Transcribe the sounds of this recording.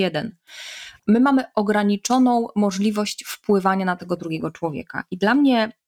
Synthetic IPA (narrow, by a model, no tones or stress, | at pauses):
ɛd̪ɛn | mɘmamɘʔɔɡɾaɲit͡ʂɔnɔ̃w̃mɔʐlʲivɔɕt͡ɕfpwɘvaɲanat̪ɛɡɔd̪ɾuɡʲɛɡɔt͡ʂwɔvʲjɛ̰ka̰ʔid̪lamɲɛ